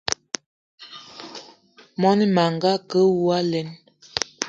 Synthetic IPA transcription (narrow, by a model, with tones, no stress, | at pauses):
mɔ˦ni˦ma˨ŋɡa˦kə˦wu˦a˦lɛ˨˦n